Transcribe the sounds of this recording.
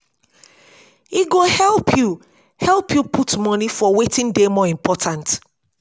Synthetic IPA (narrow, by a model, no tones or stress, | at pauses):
iɡohɛlˠpʰju | hɛlpjupʰutmɔnifɔwetĩndemɔĩmpʰɔtʰãnt